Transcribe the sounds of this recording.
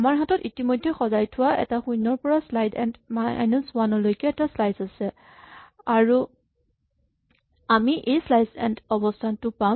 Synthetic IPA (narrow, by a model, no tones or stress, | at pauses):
amaɹɦatɔtitimojdʱːɛxɔzajtʰʊwaɛ̰taxujnːɔɹpɔɹaslajdɛ̰ndmajnɔswanɔlojkɛːtaslajsasɛ | aɹu | amiʔejslajsɛ̰ndɔbɔstʰantʊpa